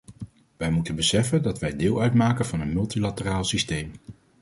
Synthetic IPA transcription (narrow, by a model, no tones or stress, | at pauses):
ʋɛjmutənbəsɛfəndɑtʋɛjdɪːlˠœɥtmaːkənvɑnɦənmɵlˠtilatəraːlˠsistejm